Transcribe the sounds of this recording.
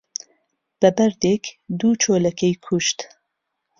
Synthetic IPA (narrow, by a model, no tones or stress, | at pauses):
b̥ɛbɛɾd̪ekd̪uːt͡ʃʰoːlɐkʰejkʰuʃt̪